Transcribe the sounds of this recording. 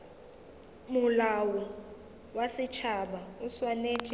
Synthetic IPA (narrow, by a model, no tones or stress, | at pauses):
mʊlawu | wasɪt͡ʃʰaɓauswaneːt͡ʃʼi